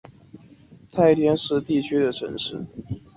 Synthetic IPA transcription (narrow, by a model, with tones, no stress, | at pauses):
t̪ʰa˥˧˩ɪt̪ʰjɛ˥nʂɻ̩˥˧t̪i˥˩t͡ɕʰy˥d̪ə˨ʈ͡ʂʰə̰˧˥nʂɻ̩˥˩